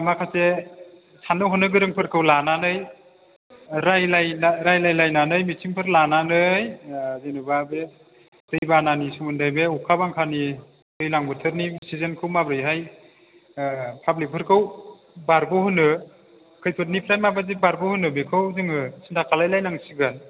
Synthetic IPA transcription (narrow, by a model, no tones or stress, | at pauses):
makʰase | sanɯɦɯnɯɡɯɾɯŋpʰɯɾkʰɯwlananɯj | ɾajlajnaɾajlajlajnanɯjmitʰiŋpʰɯɾlananɯjzenɯbabe | dɯjbananisumɯndajbeukʰabaŋkʰani | kɯjlaŋbɯtʰɯt̚nisizenkʰɯwmabɾɯjɦaj | pʰablik̚pʰɯɾkʰɯw | baɾbɯhɯnɯ | kʰɯjpʰɯt̬̚nipʰɾajmabazibaɾbɯhɯnɯbekʰɯwzɯŋɯsintʰakʰalajlajnaŋsiɡɯn